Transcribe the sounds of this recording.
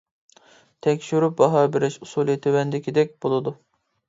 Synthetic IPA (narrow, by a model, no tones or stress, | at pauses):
t̪ʰɛkʲʃyɾyp̚bɑɦɑːbɪɾɪʃusulˠijet̪ʰewɛnd̪ɪkʲid̪ɛk̚ʲbolˠɨd̪u